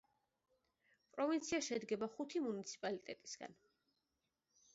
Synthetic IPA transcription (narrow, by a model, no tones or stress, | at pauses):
pʼɾɔvint̪sʰiaʃɛd̪ɡɛbaχut̪ʰimunit̪sʰi̥pʼalit̪ʼɛt̪ʼisɡa̰n